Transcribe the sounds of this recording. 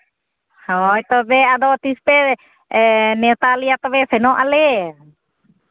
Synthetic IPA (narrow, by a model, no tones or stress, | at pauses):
hɔjt̪ɔbɛad̪ɔt̪ispɛ | nɛwt̪aliat̪ɔbɛsɛnɔʔalɛ